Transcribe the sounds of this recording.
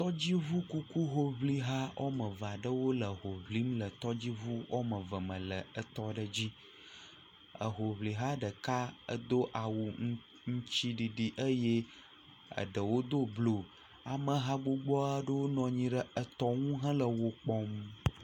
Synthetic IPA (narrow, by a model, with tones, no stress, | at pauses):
t̪ɔ˦d͡ʑi˦vu˦ku˦ku˦ɦo˦βli˦ɦa˦wʔo̰˦mə̃˨va˨ɖə˦wo˦lə˨ɦo˨βli˦mlə˨t̪ɔ˦d͡ʑi˦vu˦wʔo̰˦mə˨və˨mə̃˨lə˨ə˨t̪ɔ˦ɖə˦d͡ʑi˦ | ə̰˨ɦo˨βli˨ɦa˦ɖə˨ka˦ə̰˦d̪o˦ʔa˨wu˨ | ŋũ˦t͡ɕi˦ɖi˨ɖi˨ʔə˦je˦ | ə̰˨ɖə˨wo˦d̪o˦blo˨ | a˨mə̃˨ɦa˦ɡ͡bo˦ɡ͡bɔ˦a˦ɖə˦wo˦nɔ̃˨ɲĩ˦ɖə˦ə˨t̪ɔ˦ŋũ˦ɦə̃˦lə˨wo˨k͡pɔ˦m